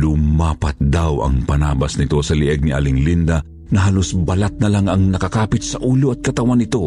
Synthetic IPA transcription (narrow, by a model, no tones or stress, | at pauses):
lʊmaːpɐt̪̚d̪awɐ̰ŋpɐnaːbɐsnɪt̪o̞sɐlɪʔɛɡ̚niʔa̰lɪŋlind̪ɐ | nɐɦaːlosbɐlat̪̚nɐlaŋɐŋnɐkɐkaːpɪt̪sɐʔuːloɐt̪̚kɐt̪ɐwanɪt̪o̞